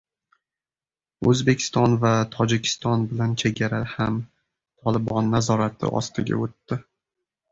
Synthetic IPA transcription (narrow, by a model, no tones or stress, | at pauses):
ɵzbe̞kʲʰɪ̥st̪ɒnvat̪ʰɒd͡ʒɪkʲʰɪ̥st̪ɒnbɪlant͡ʃʰeɡʲaɾaham | t̪ʰɒlɪbɒnːazɒɾat̪ʰɪ̰ʔɒ̰st̪ɪɡʲa̰ot̪ːɪ